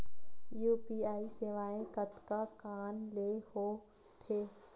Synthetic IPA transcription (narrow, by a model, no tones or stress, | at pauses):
juːpiːaːiseʋaːẽkət̪kakaːnlehoː | t̪ʰeː